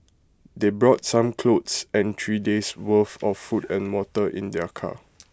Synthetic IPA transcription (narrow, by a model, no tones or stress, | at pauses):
debɹɔt̚sãmkʰlotsɛ̃ntʰɹideswəfɔfːutɛ̃nwɔtəʔḭ̃ndɛkʰa̰